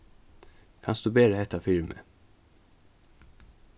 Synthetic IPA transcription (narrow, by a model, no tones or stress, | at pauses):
kʰɑ̰nsd̪̥ʉːbeːɾəhɛt̪ːɑfɪɹmə̰